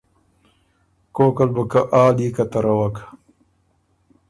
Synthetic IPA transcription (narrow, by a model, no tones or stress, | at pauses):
koːkɐlbəkɐʔaːliːkɐt̪ɐɾɐwɐk